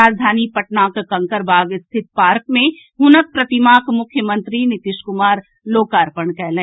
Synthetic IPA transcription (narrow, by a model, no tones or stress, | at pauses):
ɾaːd͡ʒd̪ʱaːnipɐʈnaːkkɐ̃ŋkəɾbʱaːɡɪst̪ʰɪt̪̚paːɾk̚mẽ | ɦʊnək̚pɾɐt̪ɪmaːkmʊkʰjəmə̃nt̪ɾinɪt̪ɪʃkʊmaːɾ | loːkaːɾpəɳkɛːlẽ